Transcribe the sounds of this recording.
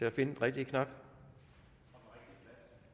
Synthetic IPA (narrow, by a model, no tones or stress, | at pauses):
e̝æfe̝nə̥ʁɛɡ̥̚d̥ikʰnɑ̈b̥